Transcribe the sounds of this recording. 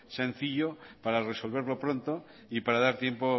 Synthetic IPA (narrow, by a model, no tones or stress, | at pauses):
sẽ̞nθiʎopaɾare̞so̞lβe̞ɾlo̞pɾo̞nt̪o | ipaɾaðaɾt̪je̞mpo